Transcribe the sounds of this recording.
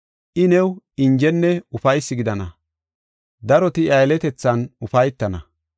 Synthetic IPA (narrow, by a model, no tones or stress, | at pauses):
ʔɪnɛw | ɪnd͡ʒɛnːɛʊfɐjsːɪɡɪd̪ɐnɐ | d̪ɐɾɔt̪ɪɐjlɛt̪ɛt͡sːɐnʊfɐjt̪ːɐnɐ